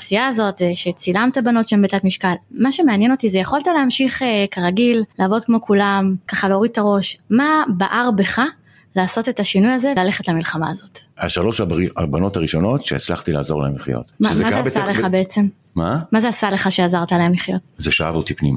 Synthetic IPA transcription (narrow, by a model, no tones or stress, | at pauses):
sijaːzo̞tveʃet͡silamt̪abano̞tʃeembetat̪miʃkalmaʃe̞meanjeno̞t̪izejeχoltaleamʃiχekaʁaɡillaːvo̞d̚kmo̞kulamkaχaleoʁid̪̚t̪aʁo̞ʃmabaʔaʁbe̞χa | laːso̞te̞taʃinujazelale̞χetlamilχamaːzo̞ta̰ʃalo̞ʃaiabano̞taʁiʃo̞no̞tʃeːt͡sla̰χtila̰ːzo̞ʁla̰emliχjo̰tmaemeaaaesaleχabeet͡se̞m | mamazeasale̞χaʃe̞azaʁt̪alaemliχjo̞t̚zeʃaa̰votipnḭma